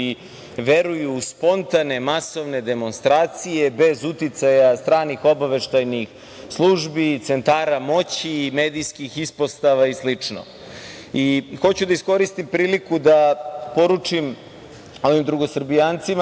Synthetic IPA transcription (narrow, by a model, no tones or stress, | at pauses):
i | ʋe̞ɾujuːspo̞nt̪ane̞maso̞ʋne̞d̪e̞mo̞nst̪ɾaːt̪sije̞be̞zut̪it̪sajast̪ɾaːnixo̞baʋe̞ʃt̪ajnix | slˠuʒbit̪se̞nt̪aːɾamo̞t͡ɕimeːd̪ijskixispo̞st̪aʋaislit͡ʂno̰ | ixo̞t͡ɕud̪aisko̞ɾist̪impɾiːlikud̪apo̞ɾut͡ʂim | o̞ʋimd̪ɾuɡo̞srbijaːnt̪sima